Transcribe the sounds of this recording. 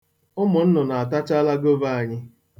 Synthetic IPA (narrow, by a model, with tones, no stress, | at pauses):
ʊ˦mʊ˨n̩˦nɔ˨na˨a˨ta˦t͡ʃa˦la˦ɡo˦va˦˨a˨ɲɪ˦